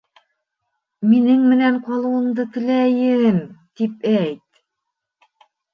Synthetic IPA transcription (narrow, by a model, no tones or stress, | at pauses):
minɘŋmɘ̆næɴqɑlˠɤ̆wɤ̆md̪ɤt̪ɘ̆læjɘ̆ɘmt̪ipæjt̪